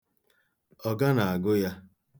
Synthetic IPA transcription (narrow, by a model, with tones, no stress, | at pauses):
ɔ˨ɡa˦na˨a˨ɡʊ˦ja˦